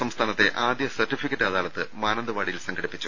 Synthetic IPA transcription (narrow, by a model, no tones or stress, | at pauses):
sɐmst̪ʰaːnɐt̪ːe̞ʔaːd̪jɐsɐrʈːifikːɐʈːaːðaːɭɐt̪ːɨmaːnɐnd̪ɐʋaːɽijilsɐŋɡʰʱɐɽipːit͡ɕːu